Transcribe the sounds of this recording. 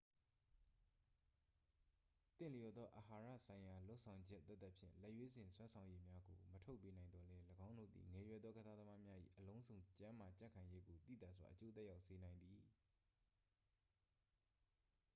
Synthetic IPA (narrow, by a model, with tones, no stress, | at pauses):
t̪ɪ̃˨lə˨jɔ˨d̪ɔ˦ʔə˨ha˨ɹä̰˦˨sʰã˨ɪ̃ja˨lo˦ʊʔsʰã˨ʊ̃ɲd͡ʑɛ˦ʔt̪ːɛ˦t̪̚ːə˦ʔpʰjɪ̰̃˦˨lɛ˦ʔjwe˦zɪ̃˨nswɛ̃˦sʰã˨ʊ̃je˦mja˦ɡo˨mətʰo˦ʊpːe˦nã˨ɪ̃nd̪ɔ˨lɛ˦ləɡã˦ʊ̃ndo̰˦˨d̪ḭ˨ŋɛ˨jwɛ˨d̪ðɔ˦ɡəza˦d̪ə˦ma˦mja˦ʔḭ˦˨ʔəlõ˦ʊ̃nzõ˨ʊ̃ɲt͡ɕã˦ma˨t͡ɕã̰˦˨kʰã˨ɪ̃je˦ɡo˨t̪ḭ˦˨d̪a̰˦˨swa̰˨ʔət͡ɕo˦t̪ɛ˦ja˦ʊʔse˨nã˨ɪ̃nd̪i˨